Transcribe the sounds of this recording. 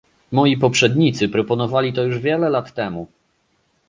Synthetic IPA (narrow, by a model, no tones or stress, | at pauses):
mɔjipɔpʂɛd̪ɲit̪sɘpɾɔpɔnɔvalʲit̪ɔjuʐvʲjɛlɛlat̪ːɛmu